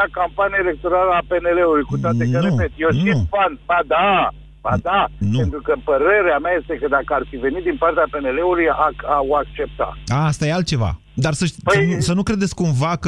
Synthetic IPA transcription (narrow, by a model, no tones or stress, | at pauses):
akampanijaele̞k̚t̪o̞ɾaləape̞ne̞le̞ulujkut̪oaekəɾnuepet̪joʃniufand̪bad̪a | b̥ad̪anp̪uet̪ɾukəpəɾe̞ɾeameaje̞st̪e̞kəd̪akəart̪sive̞nit̪d̪inpart̪eape̞ne̞le̞ulujakaoakt͡ʃe̞p̚t̪a̰aast̪ajealt̪̚t͡ʃe̞va̰ | d̪arsəʃpəsəjnusənukɾe̞d̪et̪sʲkumvakə